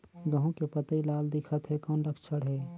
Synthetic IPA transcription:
ɡəɦõkepət̪əilaːld̪ɪkʰət̪ɦɛkɔːnɾəkʰt͡ʃʰəɽɦɛː

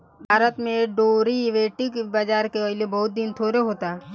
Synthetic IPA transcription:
bʱaːɾət̪mẽɖoːɾiʋeːʈɪkbad͡ʒaːɾkeɔɪlebɐɦʊt̪̚d̪int̪ʰoːɾeɦoːt̪a

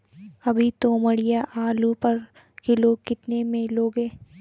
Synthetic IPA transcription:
ɐbʱit̪oːməɽijaʔaːlupɐɾ | kɪloːɡkɪt̪nemẽloːɡɦẽː

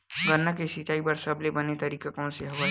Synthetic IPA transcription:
ɡɐnːakesɪt͡ʃaːibɐɾsɐblebɐnet̪ɐɾiːkakõnseɦɐʋa

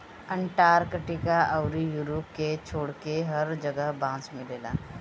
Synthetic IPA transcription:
ə̃ɳʈaːɾkəʈikaʔɐʊɾijuːɾoːp̚ket͡ʃʰoːɽkeɦɐɾd͡ʒɐɡəɦbãːsmɪleːla̰ː

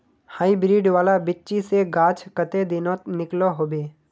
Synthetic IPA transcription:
haːibɾiːɖʋaːlabɪt͡ʃiseɡaːt͡ʃʰkət̪ed̪ɪnot̪nɪkloɦoːbeː

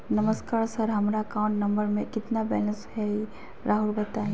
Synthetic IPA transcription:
nɐməskaːɾsɐɾɦɐmɾaɐkaːʊ̃ɳʈnɐ̃mbəɾmẽkɪt̪nabɛːlə̃nsɦɛi | ɾʔaːɦulbɐt̪aːɦĩ

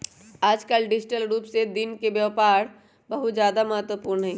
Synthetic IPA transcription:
aːd͡ʒkəlɖɪd͡ʒɪʈəlɾuːpsed̪ɪnkeʋjəʋpaːɾ | bɐɦʊt̪zjaːd̪amɐɦət̪wəpuːɾnɦɛ̃

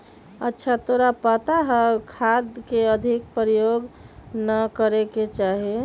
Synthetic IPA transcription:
ə̰tːʃʰat̪oɾapət̪aɦəkʰad̪keəd̪ʱik̚pɾijoɡnəkəɾeket͡ʃaɦi

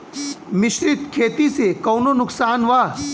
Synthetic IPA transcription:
mɪʃɾɪt̪kʰeːt̪isekɐːnonʊksaːnʋaː

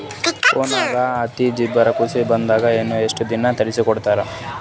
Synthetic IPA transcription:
foːnaːɡɐɐt̪id͡ʒibɐɾɐkusibɐnd̪aːɡɐenːueʂʈud̪inɐt̪ɐɾisikɔɽt̪aːɾe

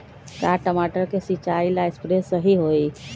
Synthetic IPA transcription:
kaʈəmaʈəɾkesit͡ʃailaespɾesəɦiɦoi

